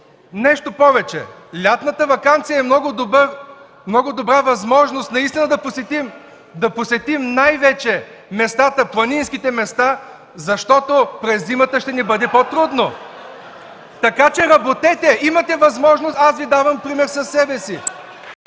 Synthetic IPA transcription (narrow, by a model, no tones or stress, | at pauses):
nɛʃt̪opɔvɛt͡ʃɛ̰lʲat̪nət̪əvɐkant̪sijəɛmnɔɡʊd̪obəɾ | mnɔɡʊd̪obɾavɐzmɔʒnost̪nɐist̪inɐd̪ɐposɛt̪im | d̪ɐposɛt̪imnajvɛt͡ʃɛ | mɛst̪at̪əplˠɐninskit̪ɛmɛst̪a | zɐʃt̪ɔt̪opɾɛzːimət̪əʃt̪ɛnibɤd̪ɛpot̪ɾud̪no | t̪ɐkat͡ʃɛɾɐbot̪ɛt̪ɛimɐt̪ɛvɐzmɔʒnost̪asvid̪avɐmpɾimɛɾsɐsːɛbɛsi